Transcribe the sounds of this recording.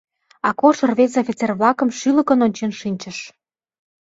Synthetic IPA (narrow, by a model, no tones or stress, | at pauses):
ɑkoʃə̆rβet͡sofʲit͡serβlɑkə̆mʃylə̆kənonʲt͡ɕenʃinʲt͡ɕə̆ʃ